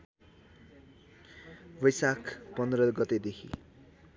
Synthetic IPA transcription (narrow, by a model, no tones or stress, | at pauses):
bʌjsakʰpʌnd̪ɾʌɡʌt̪ed̪ekʰḭ